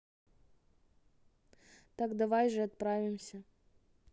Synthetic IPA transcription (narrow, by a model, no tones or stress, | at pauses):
t̪aɡd̪ɐvajʐɨɐt̪̚pɾavʲɪmsʲə